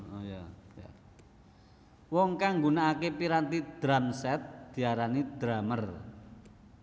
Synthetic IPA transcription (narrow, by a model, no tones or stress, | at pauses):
jaja̰ | wɔŋkaŋɡunaːkepiɾant̪id̪̥ɾamsɛt̪̚d̪̥i̤aɾanid̪̥ɾamər